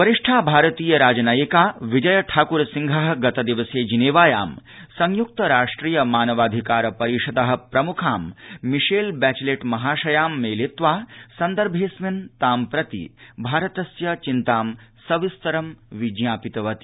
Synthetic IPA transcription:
ʋɐɾiʂʈʰaːbʱaːɾɐt̪iːjɐɾaːd͡ʒnaːjikaːʋid͡ʒɐjɐʈʰaːkuɾɐsiŋɡʱɐɦɐ̆ɡɐt̪ɐd̪iʋɐseːd͡ʒineːʋaːjaːm | sɐŋjuk̚t̪ɐɾaːʂʈɾiːjɐmaːnɐʋaːd̪ʱikaːɾɐpɐɾiʂɐd̪ɐɦɐ̆pɾɐmukʰaːmːiʂeːlbæːt͡ʃleʈmɐɦaːʃɐjaːmːeːlet̪ʋaːsɐnd̪ɐɾbʱeːsmint̪aːmpɾɐt̪ḭbʱaːɾɐt̪ɐsjɐt͡ʃint̪aːmsɐʋist̪ɐɾɐmʋid͡ʒjaːpit̪ɐʋɐt̪i̥

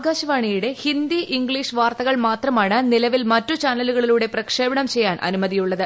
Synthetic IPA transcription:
ɡaːɕɐʋaːɳijuɽe̞hind̪iʔiŋɡɭiːʂʋaːrt̪ɐɣɐɭmaːt̪rɐmaːɳɨnilɐʋilmɐtːut͡ɕaːnɐluɣɐɭiluːɽe̞prɐkʂeːbɐɳɐmt͡ɕe̞jːaːnʔɐ̰numɐðijuɭːɐðɨ

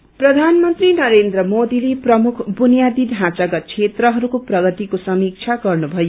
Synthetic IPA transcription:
prʌd̪ʱanmʌnt̪rinʌɾend̪rʌmod̪ileprʌmukʰbunijad̪idʱãt͡saɡʌt͡sʰet̪rʌɦʌɾukoprʌɡʌt̪ikosʌmik̚t͡sʰaɡʌrnubʱʌjo

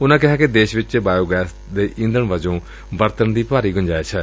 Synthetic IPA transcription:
ʊnãːkɪɦaːked̪eːʃʋɪt͡ʃt͡ʃːbaːjoːɡɛːs | d̪eːʔɪ̃nd̪əɳʋəd͡ʒõː | ʋəɾt̪ənd̪iːpaːɾiːɡʊnd͡ʒaːjeːsʰɛː

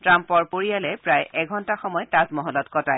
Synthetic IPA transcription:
tɹampɔɹpoɹijalɛpɹajʔɛɡʱɔntaxɔmɔjtazmɔɦɔlɔtkɔtaj

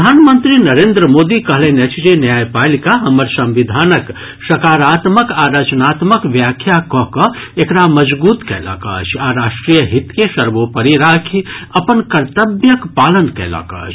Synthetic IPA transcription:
d̪ʱaːnmənt̪ɾinɐɾẽːnd̪ɾəmoːd̪ikɐɦlẽnet͡ʃʰd͡ʒenjaːjpaːlikaɦɐməɾsɐ̃mʋɪd̪ʱaːnək | ʃɐkaːɾaːt̪məkaːɾɐt͡ʃnaːt̪məkʋjaːkʰjakɔːkɔekɾamɐd͡ʒbuːt̪kɛ̰ːla̰ːka̰ːt͡ʃʰaːɾaːʃʈɾijəɦɪt̪keʃɐɾʋopɐɾiɾaːkʰiɐpənkɐɾt̪əbjəkpaːlənkɛ̰ːla̰kɐ̰ːt͡ʃ

